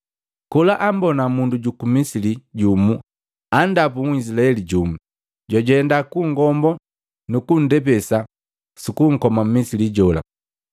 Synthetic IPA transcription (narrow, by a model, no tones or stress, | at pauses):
kulaʔambɔnamunduɟukumisiliɟumu | andap̬uŋis̬ilaɛliɟumu | ɟaɟɛɛndakuŋɡɔmbɔ | nukun̩dɛp̬ɛsa | sikuŋ̩kɔmam̩misiliɟɔla̰